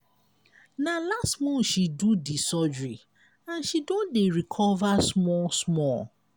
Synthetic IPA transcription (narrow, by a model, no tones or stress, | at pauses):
nalastmɔ̃nʃidudisɔd͡ʒɹi | ãnʃidõndeɹikʰɔvasmɔlsmɔ